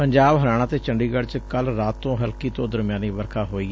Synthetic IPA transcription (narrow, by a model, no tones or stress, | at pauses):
pəɲd͡ʒaːbɦəɾaːɽ̃aːt̪eːt͡ʃəɳɖiːɡəɽt͡ʃkəlɾaːt̪ːõːɦəlkiːt̪õːd̪əɾmɪjaːniːʋəɾkʰaːɦoːiː